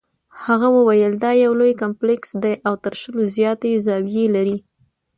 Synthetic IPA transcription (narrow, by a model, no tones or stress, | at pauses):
haɣawəwajəld̪ɑjawlojkamplɪksd̪ajʔawt̪əɾʃəlozjɑt̪ezɑwijelaɾi